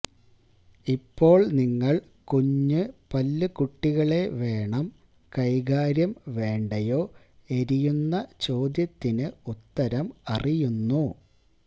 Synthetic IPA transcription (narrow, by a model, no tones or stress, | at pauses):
ipːo̞ːɭniŋːɐɭ | kuɲːɨpɐlːɨkuʈːiɣɐɭe̞ʋe̞ːɳɐm | kɐjɣaːɾjɐmʋe̞ːɳɖɐjo̞ː | e̞ɾijunːɐt͡ɕo̞ːd̪jɐt̪ːinɨut̪ːɐɾɐmɐrijunːu